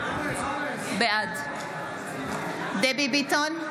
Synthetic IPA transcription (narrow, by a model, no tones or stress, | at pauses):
bɛad̪ | d̪ebibit̪ɔn